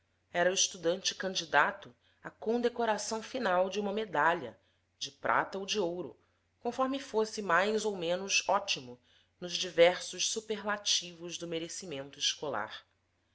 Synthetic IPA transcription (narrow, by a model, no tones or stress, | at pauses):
ɛɾɐuɪʃt̪ud̪ɐ̃nt͡ʃɪ̥kɐ̃nd͡ʒid̪at̪ʊ | ɐkõd̪ekoɾasɐ̃w̃finawd͡ʒɪũmɐmed̪aʎɐ̰ | d͡ʒɪpɾʔa̰t̪ɐowd͡ʒiowɾʊ̰ | kõfɔɾmɪfosɪmajzowmẽnʊzɔt͡ʃimʊ | nʊzd͡ʒivɛɾsʊʃsupeɾlat͡ʃivʊʒd̪ʊmeɾesimẽnt̪ʊɪʃkola̰ɾ